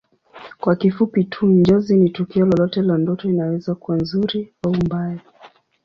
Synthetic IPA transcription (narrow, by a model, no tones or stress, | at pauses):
kwakifupitʰuɲd͡ʒɔzinitukiɔlɔlɔtɛlandɔtɔinawɛzakuwanzuɾiaumbaa